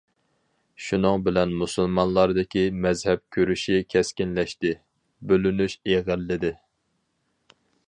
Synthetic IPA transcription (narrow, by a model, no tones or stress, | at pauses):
ʃunɨŋbɪlɛnmusɨlˠmɑnlˠɑɾd̪ɪkʲimɛzhɛp̚kʲʰøɾyʃikʲʰɛskʲinlɛʃt̪ɪ | bølynyʃeʁəlːɪd̪ɪ